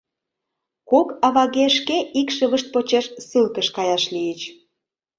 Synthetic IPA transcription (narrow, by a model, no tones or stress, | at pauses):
kokɑβɑɣeʃkeʔikʃə̆βə̆ʃt̪̚pot͡ɕeʃsɨlkəʃkɑjɑʃlijət͡ɕ